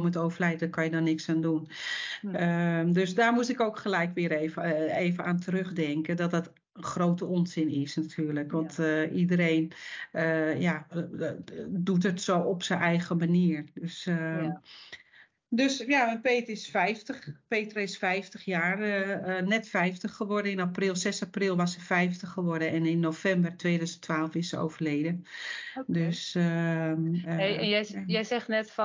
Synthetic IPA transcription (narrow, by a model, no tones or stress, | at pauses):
mətoːvərlɛjtdəkʰɔnjədɔnɪksaːndun | døsdaːrmustɪkoːkχəlɛjkʋɪəɾeːvəeːvənaːntʰərøχdɛŋkədɔt̚dɔt | əχroːtəɔnzɪnɪsnatʰyːrləkʋɔntidərejnəja | dut̬ətsoːɔpsənʔɛjɣəmaniərdøs | døsjaɛnpeːtəɪsfɛjftəxpeːtərɪsfɛjftəxjaːrnɛtfɛjftəχːəʋɔrdəɪnaprɪlˠsɛsaprɪlˠʋɔsəfɛjftəχəʋɔrdəɛnɪnːofɛmbərtʋeːdœɥzəntʰʋaːlˠəfɪsəo̰wvərleːdə | døs | ɛnjɛjɛjzɛxnɛtf